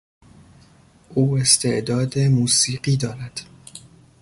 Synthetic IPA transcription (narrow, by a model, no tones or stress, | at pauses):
ʔuːe̞st̪ʰe̞ʔd̪ɒːd̪emuːsiːɢiːd̪ɒːɾæd̪̥